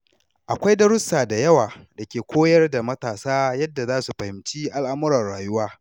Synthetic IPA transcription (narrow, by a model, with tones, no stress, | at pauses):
ʔa˨kʷa˦jdɐ˦ɾʊ˦saː˨da˨jɐ˦waː˨da˨kʲeː˨kʷoː˦jɐ˦rda˨mɐ˦taː˨saː˦jɐ˦dːa˨zaː˦su˨ɸɐ˨hɪ˨mt͡ʃiː˦ʔa˦lʔa˦mʊ˦ɾɐ˨rɽaː˨jʊ˦waː˦